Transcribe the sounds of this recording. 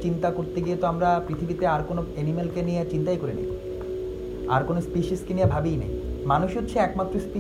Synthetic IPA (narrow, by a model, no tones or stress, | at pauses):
t͡ɕint̪akoɾt̪eɡijet̪oamɾapɾit̪ʰibit̪eaɾkonoenimelkenijet͡ɕint̪ajkoɾenḛj | a̰ɾkonospiʃiskeniabʱabijnḛjmanuʃɦotːɕʰeɛkmat̪ːɾospi